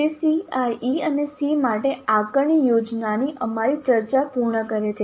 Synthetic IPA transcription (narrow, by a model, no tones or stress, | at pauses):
isiajiənesimaʈeakəɳijod͡ʒnaniʔəmaɾit͡ʃəɾt͡ʃapuɾɳəkəɾet͡ʃʰe